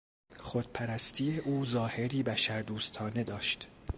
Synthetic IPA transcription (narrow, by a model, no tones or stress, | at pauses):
χod̪̥̚pʰæɾæst̪ʰijeʔuːzɒːhe̞ɾiːbæʃæɾd̪uːst̪ʰɒːne̞d̪ɒːʃt̪